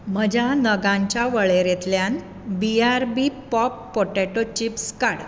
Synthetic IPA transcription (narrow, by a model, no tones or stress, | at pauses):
m̤əd͡ʑʱanəɡãɲt͡ɕjaʋəɭeɾet̪ljan | biaɾbipɔpːoʈeʈot͡ɕipskaɽ